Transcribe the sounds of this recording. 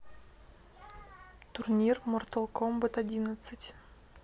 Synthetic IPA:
t̪urnʲirmort̪ə̆lˠkʰombət̪adʲinət̪sɨtʲ

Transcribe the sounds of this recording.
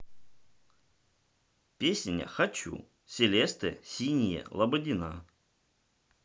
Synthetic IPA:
pʲesʲnʲɐ̰xɐt͡ɕṵ | sʲelʲest̪ɨsʲinʲijɛ̰lˠɐbədʲɪna

